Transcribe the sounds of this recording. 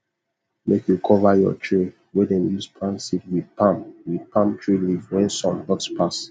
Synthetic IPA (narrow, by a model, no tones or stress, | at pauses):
mekjukʰɔvajɔ̰tʰɹe | wedɛ̃njuspʰãnsitwid̚pãmwidpʰãmtʰɹilivwɛ̃nsɔ̃nɡɔtspʰas